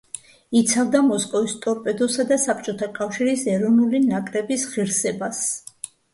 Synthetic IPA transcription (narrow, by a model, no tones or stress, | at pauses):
it̪sʰavd̪amɔskʼɔvist̪ʼɔɾpʼɛd̪ɔsad̪asap̚ʰt͡ʃʼɔt̪ʰakʼafʃiɾisɛɾɔnulinakʼɾɛbisʁiɾsɛbas